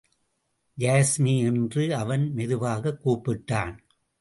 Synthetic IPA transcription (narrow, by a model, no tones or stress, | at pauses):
d͡ʒaːsmiɛndrɯɐʋɐnmɛðɯʋaːɣɐkːuːpːɪʈːaːn